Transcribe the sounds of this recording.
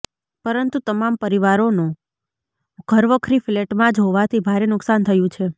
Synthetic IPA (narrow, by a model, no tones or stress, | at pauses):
pəɾənt̪ut̪əmampəɾiʋaɾono | ɡ̥ʱəɾʋəkʰɾifleʈmãd͡ʒɦoʋat̪ʰibʱaɾenʊksant̪ʰəjũt͡ʃʰe